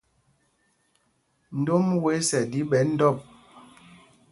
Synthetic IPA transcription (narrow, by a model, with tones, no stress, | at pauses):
n̩˨do˦mwe˨˦sɛ˨di˦ɓɛ˨˦n̩˦dɔ˦˨p̚